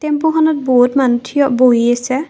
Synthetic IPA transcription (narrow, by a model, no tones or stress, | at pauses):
tempuxʰɔnɔt̚boɦutmanutʰijɔboɦiasɛ